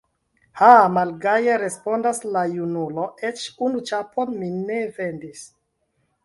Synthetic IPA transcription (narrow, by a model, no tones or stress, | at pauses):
hamalɡajeɾe̞spo̞ndaslajunulo̞et͡ʃunut͡ʃapʰo̞nmine̞ve̞ndis